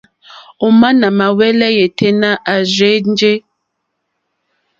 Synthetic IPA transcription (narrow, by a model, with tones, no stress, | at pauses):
o˨ma˦na˨ma˨wɛ˦lɛ˦je˨te˦na˦ʔa˨zɥe˨˦n̩˦d͡ʒe˦